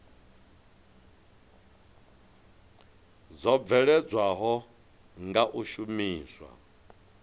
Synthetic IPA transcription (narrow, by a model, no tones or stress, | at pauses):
d͡zɔb̪vɛɺɛd͡zwaɦɔ | ŋɡaʔuʃumiːswa̰